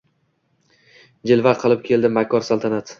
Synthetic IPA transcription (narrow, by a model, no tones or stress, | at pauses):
d͡ʒɪlˠvaɾqʰɨlˠɪp̚kʲʰe̞ld̪ɪmakʰɒɾsalˠt̪ʰanat̪